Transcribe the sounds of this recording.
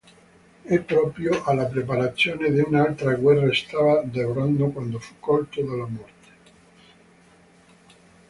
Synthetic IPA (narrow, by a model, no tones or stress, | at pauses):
ɛpːɾɔpɾjoʔalːapɾepaɾat̪sːjoːned̪eunaalt̪ɾaɡwɛrːaest̪avad̪eoɾand̪okwand̪ofu̥kːɔlt̪od̪alamɔrt̪e̥